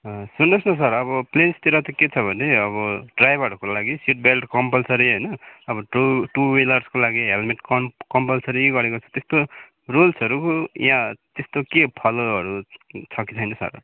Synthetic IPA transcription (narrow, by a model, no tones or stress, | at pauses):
sunːʌsnʌs̬ʌɾʌβʌplenst̪iɾʌt̪ʌket͡sʰʌbʱʌneʌβʌɖrajbʱʌɾʌkolaɡisiʈ̚belʈkʌmpʌlsʌɾiɦʌjnʌʌbʌʈʈuwelʌrskolaɡiɦelmeʈkʌkʌmpʌlsʌɾiɡʌɾekot͡sʰʌ̥t̪est̪o | rolsʌɾukojãt̪est̪okepʰʌloʌɾut͡sʰʌkit͡sʰʌjnʌsʌ̰r